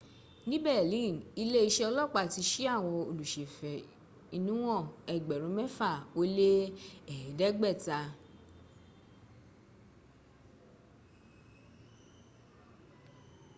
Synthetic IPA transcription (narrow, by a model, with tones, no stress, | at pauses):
nĩ˦bɛ˦˨lĩ˦˨ni˧le˦i˧ʃɛ˦˧ɔ˧lɔ˦˨k͡pa˧ti˧ʃi˦a˦˨w̃ɔ̃˧o˧˨lu˨ʃe˨fɛ˨ | i˧nũ˦w̃ɔ̃˦˨ɛ˨ɡ͡bɛ˨ɾũ˨˦mɛ˦fa˦˨o˧˦le˦ɛ˨ɛ˨dɛ˦ɡ͡bɛ˦˨ta˧